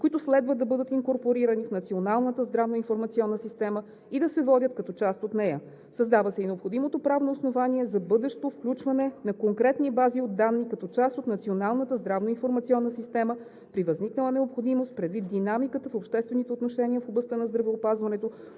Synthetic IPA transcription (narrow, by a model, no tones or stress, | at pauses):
koit̪ʊslɛd̪vəd̪ːɐbɤd̪ət̪iŋkoɾpoɾiɾɐnifnɐt̪sionalˠnət̪əzd̪ɾavnoinfoɾmɐt̪siɔnːəsist̪ɛmə | id̪ɐsɛvɔdʲət̪kɐt̪ɔt͡ʃast̪ot̪nɛjə | sɐzd̪avəsɛinɛopxod̪imot̪opɾavnoːsnovaniɛzɐbɤd̪ɛʃt̪ofklʲut͡ʃvɐnɛnɐkoŋkɾɛt̪nibaziod̪ːanːikɐt̪ɔt͡ʃast̪ot̪nɐt̪sionalˠnət̪əzd̪ɾavnoinfoɾmɐt̪siɔnːəsist̪ɛmə | pɾivɐzniknəlˠənɛopxod̪imost̪̚pɾɛd̪vit̪̚d̪inamikət̪əfopʃt̪ɛst̪vɛnit̪ɛot̪noʃɛnʲiəfoblˠɐst̪ənɐzd̪ɾɐvɛopazvɐnɛt̪o